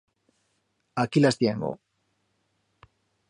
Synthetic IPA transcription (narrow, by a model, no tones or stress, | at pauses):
akilast̪jeŋɡo̰